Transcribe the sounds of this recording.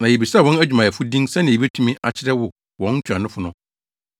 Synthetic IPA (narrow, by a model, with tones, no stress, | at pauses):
nã˨je˨bi˨sa˦˨wɔ̃˦næ˦d͡ʑᶣmã˨ɛ˨fʊ˦dĩ˦ŋsɛ̃˦nɪ̃˨˦ɛ˦tʰũ˦mĩ˦ʔa˨t͡ɕʰɪ˦ɾɛ˦wʊ˨ | wɔ̃˨˦n̩˦t͡ɕʰᶣã˨nɪ̃˦fʊ˨˦nʊ̃˦